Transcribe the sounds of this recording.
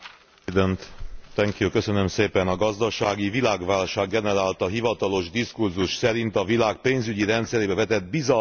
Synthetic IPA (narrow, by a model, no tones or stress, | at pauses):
d̪ønt̪t̪ɛŋkjukøsø̞nø̞mseːpɛnɒɡɒzd̪ɒʃaːɡivilaːɡʋaːlʃaːɡːɛnɛɾaːlt̪ɒɦivɒt̪ɒlo̞ʒd̪iskurzuʃsɛɾint̪ɒvilaːk̚peːnzyɟiɾɛnt̪sɛɾeːbɛvɛt̪ɛd̪̚bizɒ